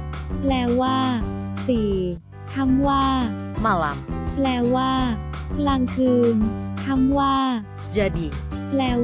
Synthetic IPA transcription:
plɛː˧waː˥˩siː˨˩ | t̪ʰa˦˥˩mwaː˥˩ | ma˧˩la̰˧˦mplɛː˧waː˥˩la˧ŋkʰɯː˧nk̪ʰa˥˩mwaː˥˩ | d͡ʒa˧˩di˨˩ | plɛː˧

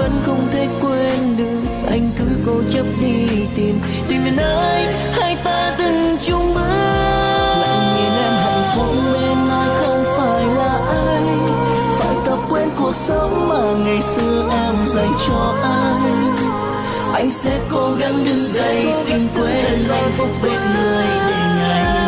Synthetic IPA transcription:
və̰˧˥nxə˧wŋ͡mt̪ʰe˨˦kwe˧nɗɨ˨˩ək̚ʔa˧jŋ̟kɨ̰˧˥ko˧t͡ɕə˦˥p̚ɗi˧t̪i˨˩m | t̪i˨˩mi˨˩nʔə˨˦ʔa˧j | haː˧jt̪aː˧ɗɨ˨˩ŋt͡ɕʊ˧ŋ͡mmɨ̰˧˥ə | la̰˧˨ŋɨ˨˩əjʔɛ˧mɦa̰˧˨˩ŋfə˨˦ŋ͡mle˧nlaː˨˩xə˧wŋ͡mfaː˧˩jlaː˨˩ʔəː˧j | fa̰ː˧˨jt̪ə˨˩p̚kwɛ˧nku˨˩ək̚sə˧˦ŋ͡mːaː˨˩ŋa˨˩jsɨ˧əʔɛ˧mza˨˩jt͡ɕɔ˧ʔa˧j | ʔa˧jsɛ̰˧˥ko˧ɣa˧˥nɗɨ˧zə˧˩jt̪i˧˩ŋkwɛ˧ə˨˧˩nʔa˧ŋvʊ˦˥k͡p̚ɓi˨˩t̪̚mɨ˧˩jɗi˧ŋa˨˧˩j

